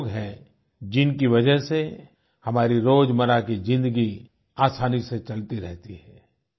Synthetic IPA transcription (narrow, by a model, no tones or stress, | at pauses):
ɡɦɛ̃ | d͡ʒɪnkiʋɐd͡ʒəɦse | hɐmaːɾiɾoːd͡ʒmɐɾakid͡ʒɪ̃nd̪əɡi | aːsaːniset͡ʃɐlt̪iɾɛɦt̪iɦɛ̃ː